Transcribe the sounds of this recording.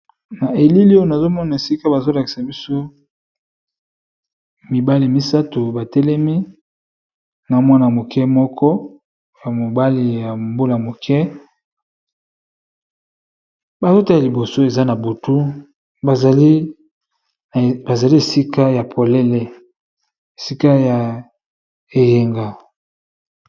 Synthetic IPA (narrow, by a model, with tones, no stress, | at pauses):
na˨e˨li˦li˦o˦jo˦˨na˨zo˦mɔ˦na˨e˨si˦ka˦ba˨zo˦la˨ki̥˨sa˨bi˦so˦ | mi˨ba˦li˨ja˨mi˦sa˦to˨ba˨tɛ˦lɛ˦mi˦ | na˨o˦mɔ˦na˨mo˨kʰɛ˦mɔ˦kʰɔ˦ | ja˨mo˨ba˦li˨ja˨mbo˦la˨mo˨kʰɛ˦ | ba˨zo˦ta˦i˨li˨bo˨so˦e˨za˦na˨bo˨tu˦ | ba˨i˦ | ba˨za˨li˦e˨si˦ka˦ja˨pʰo˨lɛ˦lɛ˦ | e˨si˦ka˦ja˨ | e˨je˨ŋɡa˨